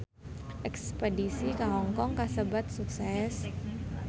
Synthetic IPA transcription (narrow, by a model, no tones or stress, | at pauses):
ʔɛkspedisikaŋɔŋkɔŋkasəbat̪̚suksɛs